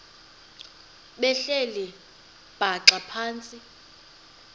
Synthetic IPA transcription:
ɓɛɬɛlɛ | b̥ʱaǁapʰaːnt͡sʼi

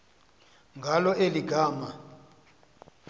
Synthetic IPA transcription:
ŋɡʱalɔʔeliɡʱaːma

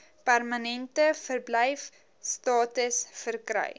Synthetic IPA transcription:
pærmənɛntəfərblɛjf | stɑːtəsfərkrɛ̰j

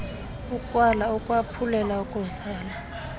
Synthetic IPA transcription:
ukʼwanaukʼwapʰulɛlaukʼuzaːla

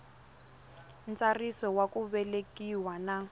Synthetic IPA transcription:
n̩t͡sarisɔwakuβɛlekʼiwana

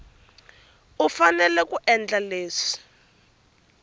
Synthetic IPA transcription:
ufanɛlɛkuʔɛnd͡ɮaleːsi̥

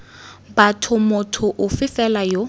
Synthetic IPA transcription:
batʰʊmʊtʰʊʔʊfɪfɛlajo

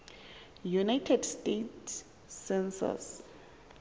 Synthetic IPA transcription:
junajtʰɛdstetː | ɛnsa̰s

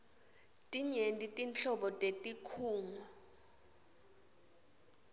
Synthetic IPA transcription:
tʼiɲentʼitʼint͡ɬɔɓɔtʼetʼikʰuːŋa

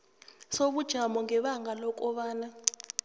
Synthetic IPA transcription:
soɓud̥ʒ̥ʱamɔŋɛɓaŋɡʱalɔk̬ʼɔɓaːna

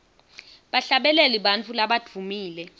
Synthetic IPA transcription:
ɓaɬaɓɛlɛliɓant͡fʰʼulaɓad̥ʱumiːlɛ

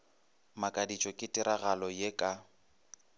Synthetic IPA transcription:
makʼadit͡ʃʼɔkʼɪtʼɪɾaɣalɔjekʼa

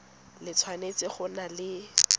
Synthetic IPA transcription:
lɪt͡sʰwanet͡sɪχʊnalɪ

